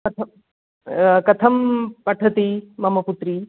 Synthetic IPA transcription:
kɐt̪ʰɐ | kɐt̪ʰɐmpɐʈʰɐt̪imɐmɐput̪ɾi

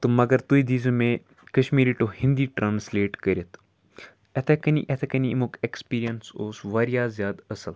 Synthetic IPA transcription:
t̪omɐɡɐɾt̪uid̪iːzumẽ | kɐʃmiːɾiʈohĩnd̪iːʈɾãːnsleːʈkəɾʲet̪ʰ | ɛt̪ʰekɐnḭʔɛt̪ʰekɐnimokekspiːɾijɐnsoːsʋaːɾijaːzjaːd̪ɐsəl

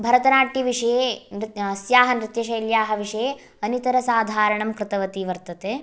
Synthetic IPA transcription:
bʱɐɾɐt̪ɐnaːʈiʋiʂɐjeːnɾɐsjaːɦɐnɾɪt̪jɐʃɐjljaːɦɐʋiʂɐjeː | ɐnit̪ɐɾɐsaːd̪ʱaːɾɐɳɐmkɾɪt̪ɐʋɐt̪iʋɐɾt̪ɐt̪eː

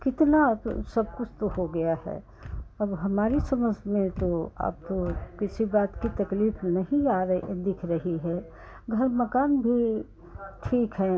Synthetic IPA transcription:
kɪt̪nasɐb̚kʊt͡ʃʰt̪ohoɡɐjaɦɛ̰ː | ɐbɦɐmaːɾisɐməsmẽt̪oa̰ːp̚t̪okɪsibaːt̪kit̪ɐkliːfnɐɦĩaːɾd̪ɪkʰɾɐɦiɦɛː | ɡʱɐɾmɐkaːnbʱi | ʈʰiːkɦɛː

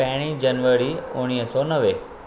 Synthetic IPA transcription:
ɛɽ̃ĩd͡ʒənʋəɾiʊɽ̃iɦəsɔnəʋe

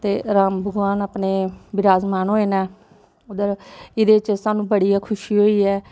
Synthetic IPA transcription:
t̪eːɾaːmbʱəɡʋaːnəpneːbɪɾaːzmaːnɦoːeːnaː | od̪əɾɪd̪eːt͡ʃsaːnũːbəɽijaːkʰʊʃiːɦoːiːɛː

